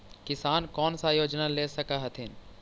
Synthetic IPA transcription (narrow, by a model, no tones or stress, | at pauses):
kɪsaːnkɔːnsajoːd͡ʒnaleːsɐkaɦɐt̪ʰɪn